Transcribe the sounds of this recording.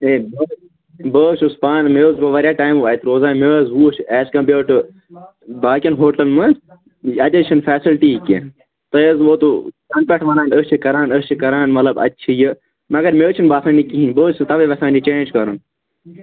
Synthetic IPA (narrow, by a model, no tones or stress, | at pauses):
eːbe | bəːʃuspaːnmeːzbɐʋɐɾjaːʈaːimʋaːit̪ɾoːzaːnmeːzʋuːt͡ʃʰɛːskɐ̃ːpbeːʈɨ | baːkʲɐnɦoːʈɐlmɐ | ɐd͡ʒɐt͡ʃʰinfɛːsilʈikḛ | t̪ɐjəzʋoːt̪ukɐnpeʈʰʋɐnaːnət͡ʃʰikɐɾaːnəst͡ʃʰikɐɾaːnmɐtlɐbɐ̰tːt͡ʃʰijɨ | mɐɡɐɾmeːt͡ʃʰinbaːkʰɐnikiɦinbəːt͡ʃɨt̪ɐʋeʋɐsãːnd͡ʒit͡ʃẽːnd͡ʒkɐɾɨn